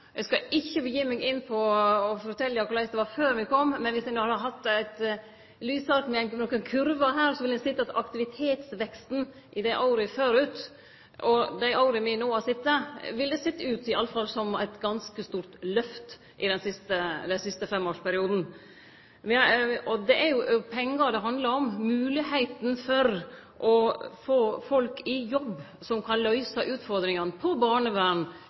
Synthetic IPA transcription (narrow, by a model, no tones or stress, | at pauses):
jɛskɑɪçːəbəjiːmɛːɡɪnːpʰɔɔfɔt̪ʰɛlːəjækʊɾlæɪsd̪ɛʋɑɾføːɾmɪkʰɔmːmːɛnʋɪsɛnoːhɑd̪əɦɑt̪ːæɪt̪ | lyːsɑɾkmɛnnɔkːənkʰʉɾʋəɦæːɾsɔʋɪlɛsɪt̪ːɑt̪ɑkt̪ɪʋɪt̪ʰeːt̪sʋɛkst̪n̩ | ʔɪd̪æɪʔɑʊɾəføːɾʉːt̪ | ɔd̪æɪʔɑʊɾəmɪnoːɑsɪt̪ːəʋɪld̪ɛsɛt̪ːəʉːt̪ɪɑlːəfɑlsɔmæɪt̪ɡɑnskəst̪uːɾt̪lœft̪ | ʔɪd̪ɛnsɪst̪əd̪ɛnsɪst̪əfɛmːoːʂpæɾɪuːd̪n̩ | ʋɪɔd̪ɛʔæɾjʊpʰɛŋːəɾd̪ɛɦɑnd̪lɑɾɔmmʉːlɪhæɪt̪nfɔɾ | ʔɔfoːfɔlkʰɪjɔbː | sɔmkʰɑnlœʏsəʔʉːt̪fɔɾd̪ɾɪŋənpʰɔbɑːɳəʋæːɳ